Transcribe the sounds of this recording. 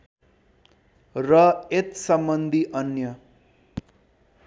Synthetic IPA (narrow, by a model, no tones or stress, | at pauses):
rʌet̪sʌmbʌnd̪ʱiʔʌnjʌ